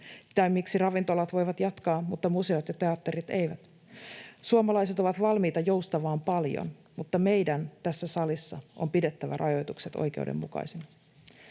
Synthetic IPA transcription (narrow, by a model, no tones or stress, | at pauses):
t̪ɑmiksirɑʋint̪olɑt̪ʋo̞jʋɑt̪jɑt̪kɑːmut̪ːɑmuse̞ot̪jɑt̪e̞ɑt̪ːeɾit̪e̞jʋæt̪ | suɑmɑlɑjse̞t̪o̞ʋɑt̪ʋɑlmiːt̪ɑjo̞wst̪ɑʋɑːmpɑljo̰n | mut̪ːɑme̞jdænt̪æsːæsɑlisːɑʔo̞̰mpide̞t̪ːæʋæ̰rʔɑjo̞jt̪ukset̪o̰jk̟e̞̰udḛmːṵkɑ̰ijsinɑ